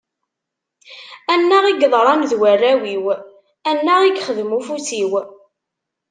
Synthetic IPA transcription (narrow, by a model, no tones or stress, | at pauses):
ænːəʁiɡðˤɾˤɑmðwærːæwiw | ænːəʁiɡχəðmufuθiw